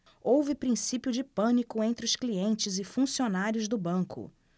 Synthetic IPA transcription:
owvɪpɾĩsipjʊd͡ʒɪpɐ̃nikʊẽnt̪ɾɪʊskliẽnt͡ʃɪzɪfũsionaɾjʊzd̪ʊbɐ̃kʊ̰

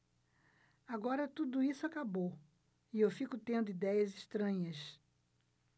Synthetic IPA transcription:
aɡɔɾɐt̪ud̪ʊisʊakabow | ɪewfikʊt̪ẽnd̪ʊid̪ɛjɐzɪʃt̪ɾɐ̃ɲɐs

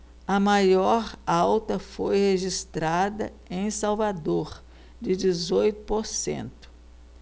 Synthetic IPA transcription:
ɐmajɔɾawt̪ɐfojheʒist̪ɾad̪ɐ | ẽj̃sawvad̪oɾ | d͡ʒɪd͡ʒɪzojt̪ʊ̥poɾsḛ̃nt̪ʊ̥

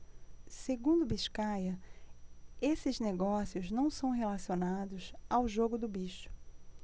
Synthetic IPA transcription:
seɡũnd̪ʊbiʃkajɐ | esɪzneɡɔsiʊznɐ̃w̃sɐ̃w̃ɦelasionad̪ʊzawʒoɡʊd̪ʊbiʃʊ̥

